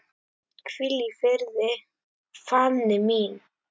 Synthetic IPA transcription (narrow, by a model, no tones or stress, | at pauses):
kfilifɛɾðɛ | famnɛmin